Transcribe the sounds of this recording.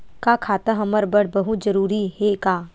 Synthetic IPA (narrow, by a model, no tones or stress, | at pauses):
kaːkʰaːt̪ãɦɐməɾbəɽbɐɦut̪zɐɾuːɾiɦekaː